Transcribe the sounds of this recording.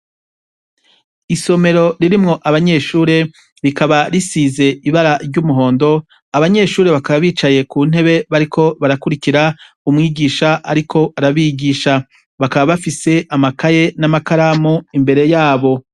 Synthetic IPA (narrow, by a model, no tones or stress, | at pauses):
iso̞me̞ɾo̞ɾiɾimŋo̞ʔaβaɲe̞ːʃuːɾe̞ | ɾikaβaɾisiːze̞iβaɾaɾɟumuɦo̞ːndo̞ | aβaɲe̞ːʃuːɾe̞βakaβaβiːt͡ʃaje̞kuːn̥he̞βe̞βaɾikʰo̞βaɾakuɾikiɾa | umŋiːɡiːʃaʔaɾikʰo̞ʔaɾaβiɡiːʃa | βakaβaβafise̞ʔamakaje̞namakaɾamoimbe̞ɾe̞jaːβo̞